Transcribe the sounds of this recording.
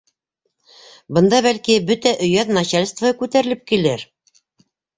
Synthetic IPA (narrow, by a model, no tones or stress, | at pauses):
bɤ̆nd̪ɑβælkibɵt̪æʔɵ̆jæðnɑɕalʲst̪vəkʉt̪æɾɘ̆lɘp̚kilɘɾ